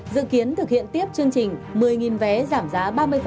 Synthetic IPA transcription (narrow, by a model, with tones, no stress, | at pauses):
zɨ̰˧˨ki˨˦ənt̪ɨ˨˩k̚hḭ˧˨ənt̪i˦˥əp̚t͡ɕɨ˧əŋt͡ɕï˨˩ŋ̟mɨ˨˩əjŋi˨˩nvɛ˨˦zaː˧˩mzaː˨˦ɓaː˧mɨ˧əjf